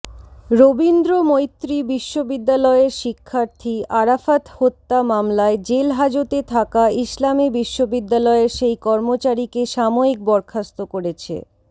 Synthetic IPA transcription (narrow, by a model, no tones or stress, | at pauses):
ɾobind̪ɾomojt̪ːɾibiʃːobid̪ːalɔeeɾʃikʰːaɾt̪ʰiaɾafat̪hot̪ːamamlaed͡ʑelɦad͡ʑot̪et̪ʰakaislamibiʃːobid̪ːalɔeɾʃejkɔɾmot͡ɕaɾikeʃamoik̚bɔɾkʰast̪okoɾet͡ɕʰḛ